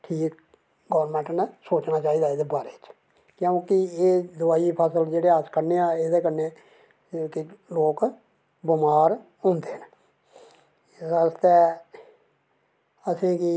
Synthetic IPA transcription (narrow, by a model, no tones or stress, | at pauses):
ʈʰiːk | ɡɔʋəɾmɛ̃ɳʈnsoːt͡ʃnaːt͡ʃaːiːd̪aːed̪ebaːɾeːt͡ʃ | kjõːkɪeːd̪ʊaːiːpʰəsəld͡ʒeːɽeːaskəɾneːaːeːd̪eːkəɾne | kɪloːk | bɪmaːɾ | ʊ̃ːnd̪eːɦn | səst̪ɛ | əsẽːkɪ